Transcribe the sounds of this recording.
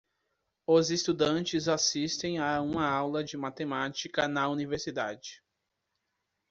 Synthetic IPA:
ʊzɪst̪ud̪ɐ̃nt͡ʃɪzasist̪ẽj̃aũmɐawlɐd͡ʒɪmat̪emat͡ʃikɐnɐuniveɾsid̪ad͡ʒɪ

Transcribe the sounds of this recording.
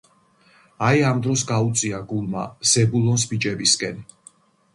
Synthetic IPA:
ajamd̪ɾɔsɡaut̪sʼiaɡulˠma̰z̥ɛbulˠɔnsbit͡ʃʼɛbiskʼɛn

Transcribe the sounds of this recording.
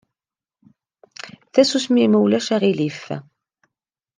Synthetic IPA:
θæsusmiməwlæʃæʁilif

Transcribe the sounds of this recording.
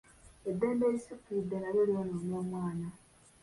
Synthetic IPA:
edːe̞ːmbeːlisikiid̪ːe̞naɾjolionoːmoːmwaːna

